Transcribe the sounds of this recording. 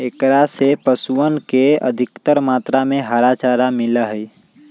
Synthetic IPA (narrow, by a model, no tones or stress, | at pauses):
ekɾasepəsuənkeə̰d̪ʱikt̪əɾmat̪ɾameɦaɾat͡ʃaɾamiləɦəj